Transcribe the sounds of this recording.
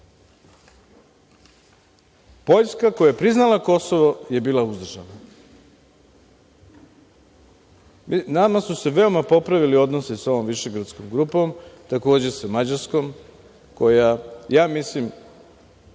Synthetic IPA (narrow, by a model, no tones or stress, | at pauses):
po̞ʎskako̞jajepɾiznalˠako̞soʋo̞je̞biːlˠauzd̪r̩ʒa̰nna | namasuse̞ʋe̞o̞mapo̞pɾaʋilio̞d̪noseso̞ʋo̞mʋiʃe̞ɡɾat̪sko̞mɡɾuːpo̞mt̪ako̞ːd͡ʑe̞samad͡ʑaɾsko̞m | ko̞jajaːmislim